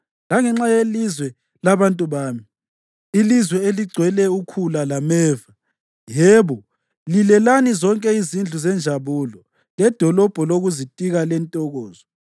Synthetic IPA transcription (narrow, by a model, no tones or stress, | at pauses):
laŋɛŋ͡ǁajelizwɛ | laβantʼuβaːmi | ilizwɛeliɡ͡ǀʱwɛlɛukʰulalamɛːva | jɛːβɔ | lilɛlanizɔŋkʼɛizind͡ɮʱuzɛnd͡ʒʱaβuːlɔ | lɛd̥ʱɔlɔb̥ʱɔloɣuzitʼiɣalɛntʼɔɣɔːzɔ